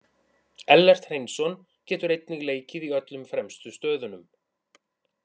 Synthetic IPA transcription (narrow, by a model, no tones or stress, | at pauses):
ɛlːɛr̥t̪r̥ejnsɔn | cɛːt̪ʏɾejt̪niɣleːjcɪðiœt̪lʏmfɾɛmst̪ʏst̪œːðʏnʏm